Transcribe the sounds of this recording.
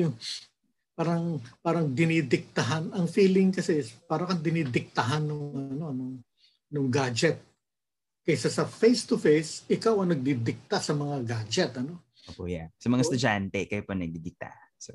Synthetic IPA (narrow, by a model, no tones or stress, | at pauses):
jʊ | paːɾɐŋpaːɾɐŋd̪ɪnid̪ɪk̚t̪ɐɦanɐŋfiːlɪŋkɐsɛspaːɾɐkɐŋd̪ɪniːd̪ɪk̚t̪ɐɦanːʊŋʔɐno̞ɐnʊŋ | nʊŋɡaːd͡ʒɛt̪̚ | kɐsasɐfejst̪ʊfejsɪkawɐŋnɐɡ̚d̪ɪd̪ɪk̚t̪asɐmɐŋaɡad͡ʒɛt̪ɐno̞ | ʔopojasɐmɐŋast̪ʊd͡ʒant̪ɛkɐjpɐnɐɡ̚d̪id̪ɪk̚t̪a̰sɐ